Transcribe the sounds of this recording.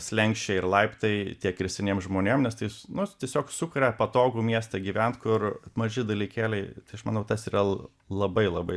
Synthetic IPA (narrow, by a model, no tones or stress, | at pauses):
sʲlʲɛŋʲkʃʲt͡ʃʲeɪrlˠɐɪpt̪ɐɪt̪ʲiɛkɪɾʲsʲɛnʲeːmʒmoːnʲeːmnʲɛst̪ɐɪnʊt̪ʲiɛsʲoːksʊkʊɾʲɛpɐt̪oːɡuːmʲiɛst̪ɐɡʲiːʋʲɛnt̪kʊrmɐʒʲɪd̪ɐlʲiːkʲæːlʲɛɪt̪ɐɪɐʃmɐnɐʊt̪ɐsiːrɐ | lˠɐbɐɪlˠɐbɐɪ